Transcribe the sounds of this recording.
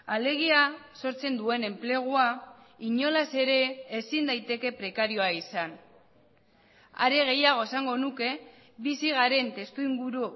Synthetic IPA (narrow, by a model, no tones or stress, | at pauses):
ale̞ɣ̞iaso̞ɾt͡se̞nd̪ue̞ne̞mple̞ɣ̞ua | iɲo̞lase̞ɾe̞ːsind̪ajt̪e̞ke̞pɾe̞kaɾio̞aisan | a̰ɾe̞ɣ̞e̞jaɣ̞o̞e̞saŋɡo̞nuke̞ | βisiɣaɾe̞nt̪e̞st̪uiŋɡuɾu